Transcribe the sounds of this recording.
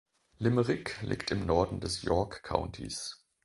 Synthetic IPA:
lɪməʁɪklʔḭːktɪmnɔɐdn̩dɛsjɔɐkʰːa̰ʊntʰḭs

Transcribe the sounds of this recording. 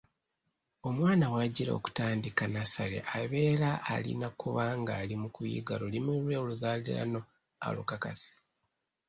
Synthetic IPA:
o̞mwaːnawaɟiɾaoo̰ku̥taːndikanasalḛʔaβe̞ːɾaʔːlḭnakuβaŋɡaːlimukujḭɡalolimuɾweːuluzaːlḭɾa̰no̞ | a̰lukakasi̥

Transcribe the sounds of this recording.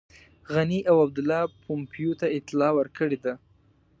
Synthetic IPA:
ɣaniʔawab̚d̪ʊlːɑpʰompjut̪aɪt̪ɪlɑwəɾkəɽed̪a

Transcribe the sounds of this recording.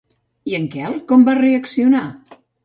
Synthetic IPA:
iəŋkɛlˠkɔmbareəksiuna

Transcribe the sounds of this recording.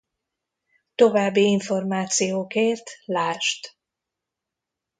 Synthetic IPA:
t̪o̞vaːbːiiɱfo̞rmaːt̪sijoːkeːrt̪laːʃt̪

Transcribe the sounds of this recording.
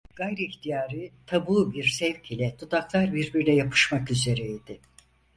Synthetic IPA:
ɡ̥ajɾɯiçt̪ʰijaːɾɯt̪ʰabuːbiɾsɛvcʰilʲɛt̪ʰud̪aklˠaɾbiɾbiɾlʲɛjapʰɯ̥ʃmakyze̞ɾɛid̪ɪ

